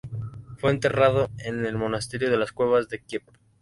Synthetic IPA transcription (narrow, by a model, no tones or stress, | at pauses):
fwe̞nt̪e̞rað̞oene̞lmo̞nast̪e̞ɾjoð̞e̞laskwe̞β̞azðekjep